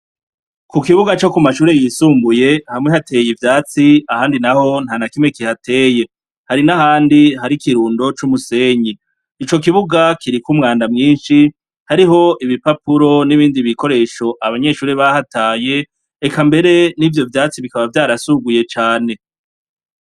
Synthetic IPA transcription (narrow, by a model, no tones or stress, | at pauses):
kukiβuɡat͡ʃo̞kumaʃuːɾe̞jisuːmbuje̞hamŋe̞hatejivjaːt͡siahaːndinaho̞n̥haːnakimŋe̞kihatʰe̞ːje̞ | haɾinahaːndiɦaɾikiɾuːndo̞t͡ʃumuse̞ːɲiː | t͡ʃo̞k̬iβuɡakʰiɾikumŋaːndamŋiːnʃi | haɾiɦo̞ʔiβipapuɾo̞niβiːndiβiko̞ɾe̞ːʃo̞ʔaβaɲe̞ʃuːɾeβahataːje̞ː | kambe̞ɾe̞nivjo̞vjaːt͡siβikaβavjaːɾasuɡuje̞t͡ʃaːne̞